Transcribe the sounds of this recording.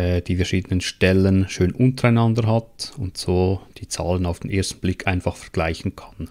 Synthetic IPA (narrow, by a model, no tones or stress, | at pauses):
ɛːd̥iːfɛɐʃiːdənənʃtɛlənʃøːnʔʊntəɾaɪnɑndəɾɦɑtʊntsoːd̥iːt͡sɑ̰ːlənaʊfd̥enʔeːɐstn̩b̥lɪkʰːaɪnfɑχfɛ̥ʁɡ̥laɪçn̩kʰɑ̥n